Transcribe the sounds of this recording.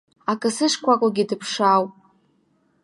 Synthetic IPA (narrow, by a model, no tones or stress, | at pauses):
akʼɨsɨʂkʷʰakʷʼaɡʲidɨpʰʂawpʼ